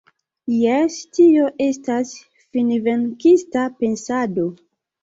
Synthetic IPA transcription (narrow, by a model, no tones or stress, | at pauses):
jestio̞ʔe̞stas | finveŋkistape̞nsado̞